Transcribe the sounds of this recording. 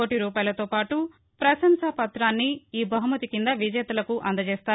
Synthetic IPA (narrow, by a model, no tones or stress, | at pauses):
oːʈiɾuːpaːjlɐt̪oːpaːʈu | pɾɐsɐnsɐpɐt̪ɾaːnːiiːbɐɦumɐt̪ikind̪ɐʋid͡ʒɛːt̪ɐlɐkuʔɐnd̪ɐt͡ʃeːst̪aː